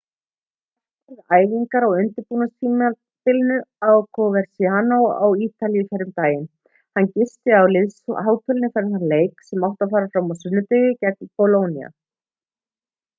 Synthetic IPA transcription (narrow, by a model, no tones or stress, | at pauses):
ɛɾðaːjviŋkaɾawʏnt̪ʏɾpuːnast̪iːm | pɪlnʏawkʰɔvɛɾ̥sianowa̰wiːt̪alijɪfɛɾʏmt̪aːjɪn | hancɪst̪ɪawlɪðsɦaːwt̪ʰʏlnɪfɛɾɪmθaɾleːjksɛmawht̪afaːɾafɾamːawsʏnːʏt̪ɪɣʏcɛk̚npɔloːwnia̰